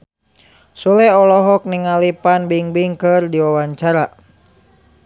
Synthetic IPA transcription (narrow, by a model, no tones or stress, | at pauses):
sulɛɔlɔɦɔk̚niŋalipanbiŋbiŋkɨrdiwawaɲt͡ʃaɾa